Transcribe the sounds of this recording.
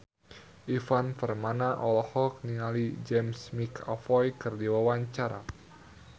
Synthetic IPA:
ʔifanfərmanaʔɔlɔhɔk̚niŋalid͡ʒɛmsmikʰɔ̰fɔjkɨrdiwawaɲt͡ʃaɾa̰

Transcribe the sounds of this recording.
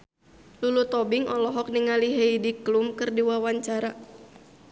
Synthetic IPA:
lulut̪ɔbiŋʔɔlɔɦɔk̚niŋaliɦejdiklumkɨrdiwawaɲt͡ʃaɾa

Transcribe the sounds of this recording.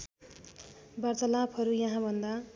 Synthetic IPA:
bʌrt͡sʌlaphʌɾujʌɦãbʱʌnd̪a

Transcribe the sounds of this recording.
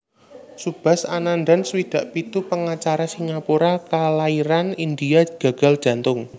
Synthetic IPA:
sub̥a̤sananɖansəwid̪̥a̤ʔpit̪upəŋat͡ʃaɾasiŋapuɾakalaiɾanind̪iaɡ̥ä̤ɡ̥a̤ld̥ʒ̥ä̤nt̪ʊŋ

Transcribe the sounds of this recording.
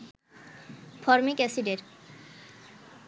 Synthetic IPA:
pʰɔɾmikʼɛsidɛɾ

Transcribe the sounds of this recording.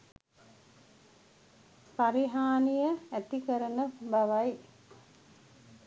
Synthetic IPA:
saɾiɦaːnijəæt̪ikəɾənəbaʋaj

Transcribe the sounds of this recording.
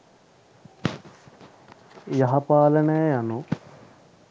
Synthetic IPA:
jɐɦɐpaːlɐɳeːɐnu

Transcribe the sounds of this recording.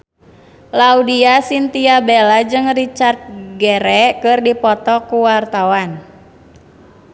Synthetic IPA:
laudiasint̪iabelad͡ʒɨŋrit͡ʃart̪̚ɡɛɾɛkɨrdipɔt̪ɔkuwart̪awan

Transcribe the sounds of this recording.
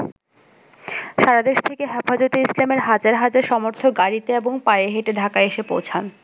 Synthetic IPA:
ʃaɾad̪eʃt̪ʰekeɦɛfad͡ʑot̪eislameɾɦad͡ʑaɾɦad͡ʑaɾʃɔmoɾt̪ʰoɡaɾit̪eeboŋpajeɦeʈed̪ʱakaeʃepo̰wt͡ɕʰan

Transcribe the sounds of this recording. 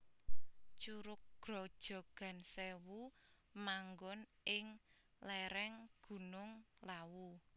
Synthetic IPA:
t͡ʃuɾʊk̚ɡ̥ɾɔ̤d̥ʒ̥ɔ̤ɡ̥a̤nsewu | maŋɡɔn | ɪŋ | lɛɾɛŋɡ̥ṳnʊŋlawu

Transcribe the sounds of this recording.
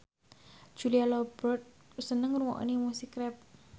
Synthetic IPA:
d͡ʒ̥ulialɔbərt̪̚ | sənəŋruwɔ̰ʔnimusikɾɛp̚

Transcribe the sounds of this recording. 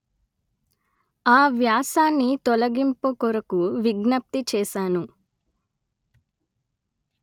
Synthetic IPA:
aːʋjaːsaːnːit̪ɔlɐɡimpokɔɾɐkuʋiɡnɐp̚t̪it͡ʃɛːʃaːnu

